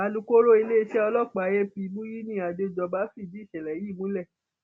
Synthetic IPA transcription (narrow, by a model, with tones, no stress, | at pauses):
a˧lũ˧ko˦ɾo˦i˧le˦i˧ʃɛ˦ɔ˧lɔ˦˨k͡pa˨˦je˦pi˧mũ˦ji˦nĩ˦a˨do˧d͡ʒɔ˧ba˦fi˦˨d͡ʒi˨˦˨ʃɛ˨lɛ˨ji˦˨mũ˦lɛ˦˨